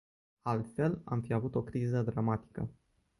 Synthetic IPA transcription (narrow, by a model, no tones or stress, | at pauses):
alt̪fe̞la̰mfiavut̪o̞kɾizəd̪ɾamat̪i̥kə̰